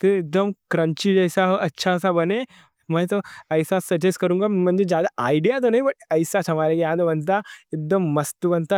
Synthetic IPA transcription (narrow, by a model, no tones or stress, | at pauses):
t̪iɪd̪əmkɾɐ̃ɲt͡ʃid͡ʒɐjsaɦoʔɐtːʃʰasabɐne | mɐ̃jt̪oɐɪsasɐd͡ʒeskɐɾũːŋɡamɐ̃nd͡ʒed͡ʒjaːd̪aʔaːɪɖijat̪̬onɐɦĩbɐʈ̚ɐɪsat͡ʃɦɐmaːɾekjãːd̪obɐnt̪̬aɪd̪ɐmːɐst̪ubɐnt̪a